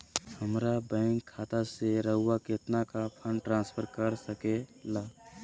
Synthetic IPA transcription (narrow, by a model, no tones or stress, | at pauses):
həmɾabɛ̃ɪŋkʰːaːt̪aseɾəɦʊwaket̪nakapʰə̃nʈɾãːnspʰəɾkəɾsəkelaː